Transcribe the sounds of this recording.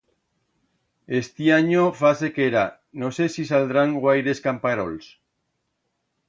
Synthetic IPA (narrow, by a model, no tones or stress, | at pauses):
est̪iaɲofasekeɾa | nosesisald̪ɾaŋɡwajɾe̞skampaɾo̰ls